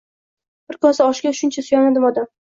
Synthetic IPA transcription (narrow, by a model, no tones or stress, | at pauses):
b̥ɪɾkʰɒsaɒʃɡʲaʃʊnt͡ʃʰasʊjɒnad̪ɪmɒd̪am